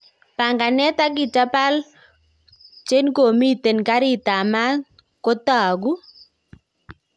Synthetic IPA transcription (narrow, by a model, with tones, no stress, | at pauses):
pa˨ŋɡa˨nɛ˦t̪a˦ɡɪ˨ta˦pa˦l | t͡ʃe˦nko˨mi˦t̪e˨nka˦ɾɪ˦t̪a˨ma˦ | ko˦t̪a˨ɡu˦